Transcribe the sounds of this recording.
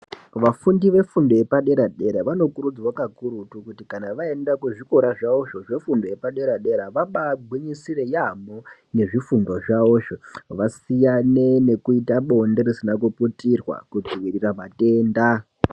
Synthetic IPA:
ʋafundiʋe̞fundo̞je̞paɗe̞ɾaɗe̞ɾaʋano̞kuɾud͡zwakakuɾutukutikanaʋae̞ndakeʐiko̞ɾaʐaoʂo̞ʐe̞fundo̞je̞paɗe̞ɾaɗe̞ɾaʋaɓaɡʱwiɲisire̞jamo | ne̞ʐifundo̞ʐaoʃoʋasijane̞ne̞kuitaɓo̞nde̞risinak̬uputirwa̰kud͡ziʋiriramate̞ːnda

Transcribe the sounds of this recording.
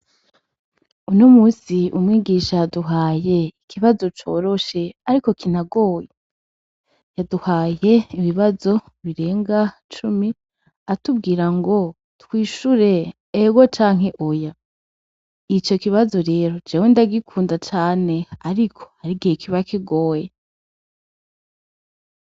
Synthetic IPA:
unomuːsiumŋiːɡiːʃaduɦaːje̞ikʰiβazo̞t͡ʃo̞ːɾo̞ʃe̞aɾiko̞kʰin̥aɡo̞ːje | jaduhaːje̞iβiβazo̞ | βiɾe̞ːŋɡa | t͡ʃumi | atubɡiːɾaŋɡo̞ | twiːʃuɾe̞ː | ɡot͡ʃaːŋ̥ɦe̞ʔoja | it͡ʃo̞kiβazo̞ɾe̞ːɾo̞d͡ʒewendaɡikʰuːndat͡ʃaːne̞aɾikʰo̞̥aɾiɡiekʰiβakiɡoːje

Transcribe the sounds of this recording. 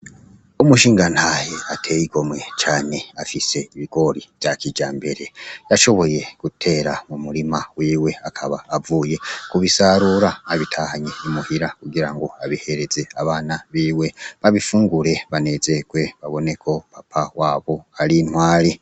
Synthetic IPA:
umuʃiːŋɡanhaheatʰe̞jiɡo̞mwe̞t͡ʃaːneafise̞iβiɡ̥o̞ɾivjakid͡ʒaːmbe̞ɾe̞jaʃo̞βo̞je̞ɡ̥utʰe̞ːɾamumuɾimawiːwe̞akʰaβaːvuːje̞kuβisaɾuɾaaβitʰahaɲeimuhiɾakuɡiɾaŋɡo̞aβihe̞ɾe̞ze̞aβaːnaβiːwe̞βaβifuːŋɡuɾe̞βane̞ze̞ɡ̥we̞βaβo̞ne̞kʰo̞papʰawaːβo̞aɾin̥hwaːɾi

